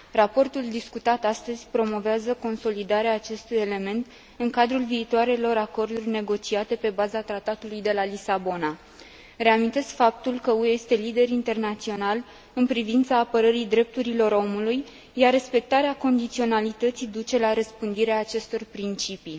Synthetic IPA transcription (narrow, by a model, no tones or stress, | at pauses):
rapo̞rt̪uld̪iskut̪at̪ast̪əzʲpɾo̞mo̞veazəko̞nso̞lid̪aɾeaːt͡ʃe̞st̪uje̞le̞me̞nt̪ | ɨŋkad̪ɾulviːt̪oaɾe̞lo̞ɾako̞rd̪urʲne̞ɡo̞t͡ʃiat̪e̞pe̞bazat̪ɾat̪at̪ulujd̪e̞lalisabo̞na | ɾe̞amint̪e̞skfap̚t̪ulkəueest̪e̞lid̪e̞ɾint̪e̞rnat̪sio̞nal | ɨnpɾivint̪saːpəɾəɾid̪ɾe̞p̚t̪uɾilo̞ɾo̞muluj | jare̞spe̞k̚t̪aɾeako̞nd̪it̪sio̞nalit̪ət̪sid̪ut͡ʃe̞laɾəspɨnd̪iɾeaːt͡ʃe̞st̪o̞rpɾint͡ʃipi